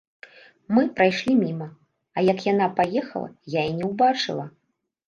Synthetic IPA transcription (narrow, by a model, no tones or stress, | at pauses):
mɨpɾajʂlʲimʲimɐ | ɐjɐkjan̪apajɛxɐ̰lˠɐ̰jainʲɛwbat͡ʂɨ̰lˠɐ